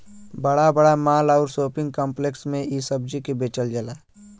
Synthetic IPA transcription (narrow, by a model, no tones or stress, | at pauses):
bəɽabəɽamaːlaʊɾsoːpɪ̃ŋɡ̚kãːmpleksmẽisəb̚d͡ʒikebeːt͡ʃəld͡ʒəlaː